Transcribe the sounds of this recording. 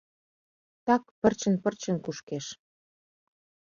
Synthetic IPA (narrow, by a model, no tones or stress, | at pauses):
t̪ɑkpə̆rt͡ɕə̆npərt͡ɕə̆nkuʃkeʃ